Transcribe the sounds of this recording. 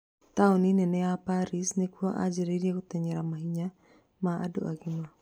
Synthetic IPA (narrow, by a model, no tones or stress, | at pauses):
t̪aɔninɛnɛapaɾisnekuaʔa̰d͡ʒɛɾidiakut̪ɛɲɛɾamaɦiɲa | maa̰dṵʔa̰ɡima